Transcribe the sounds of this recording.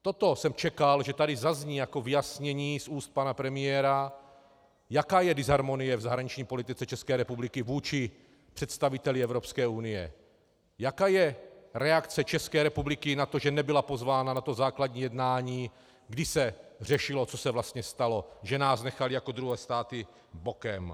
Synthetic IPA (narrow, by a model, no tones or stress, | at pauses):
t̪o̞t̪o̞sɛmt͡ʃɛkalʒɛt̪adɪzazɲiːjako̞vɪjasɲɛɲiːsuːst̪̚panapɾɛmɪjɛːɾa | jakaːjɛdɪzaɾmo̞nɪjɛvzaɦɾaɲit͡ʃɲiːpo̞lit̪ɪt͡sɛt͡ʃɛskɛːɾɛpublɪkɪvuːt͡ʃɪ | pr̥ɛt̪st̪avɪt̪ɛlɪɛvɾo̞pskɛːunɪjɛ̰ | jakaːjɛɾɛakt͡sɛt͡ʃɛskɛːɾɛpublɪkɪnat̪o̞ʒɛnɛbɪlapo̞zvaːnanat̪ozaːkladɲiːjɛdnaːɲiː | ɡdɪsɛr̝ɛʃɪlo̞t͡so̞sɛvlast̪ɲɛst̪alo̞ʒɛnaːsnɛxalɪjako̞d̪ɾuɦɛːst̪aːt̪ɪ | bokɛm